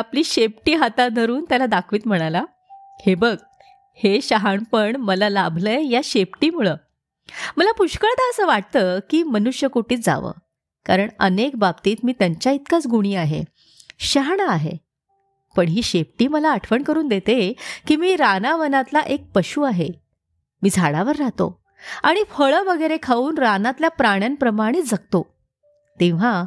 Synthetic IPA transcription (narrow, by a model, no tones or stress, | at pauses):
apliːɕep̚ʈiːɦat̪ad̪ʱəɾuːnt̪jalad̪akʰʋiːt̪m̤əɽ̃ala | hebəɡ | heɕaɦaɳpəɳməlalabʱləejaɕepʈiːmuɭəː | məlapuɕkəɭt̪aəsəːʋaʈ̚t̪əːkiːmənuɕjəkoʈiːt͡sd͡za̰ʋə̰ː | kaɾəɳə̰nekbab̚t̪iːt̪miːt̪jaɲt͡ɕjait̪kat͡sɡuɽ̃iːaɦḛ | ɕəɦɳaːɦḛ | pəɳɦiːɕefʈiːməlaːʈʰʋəɳkəɾuːnd̪et̪ekiːmiːɾanaʋənat̪laʔek̚pəɕuːaɦe | miːd͡zʱaɽaʋəɾːat̪o̰ | aɽ̃ifəɭəʋəɡəjɾekʰaʋuːnɾanat̪ljapɾaɽ̃janpɾəmaɽ̃it̪d͡zak̚t̪o | t̪ĩʋ̤a